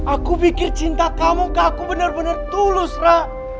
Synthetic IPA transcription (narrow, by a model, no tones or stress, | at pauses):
akupikɪrt͡ʃint̪akamukaːkubənərbənərt̪ulʊsra